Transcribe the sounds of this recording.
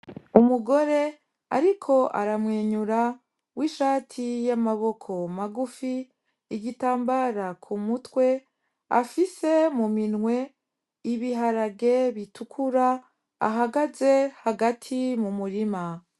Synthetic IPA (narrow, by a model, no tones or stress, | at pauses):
umuɡo̞ɾe̞ | aɾikʰo̞ʔa̰ɾamŋeːɲuɾa | wiːʃaːtʰijamaβo̞kʰo̞maɡufi | iɡitaːmbaɾakʰumutwe̞ | a̰fise̞muminŋwe̞ | iβiɦaɾaɡe̞βitʰukʰuɾa | a̰ɦaɡaze̞haɡatʰimumuɾima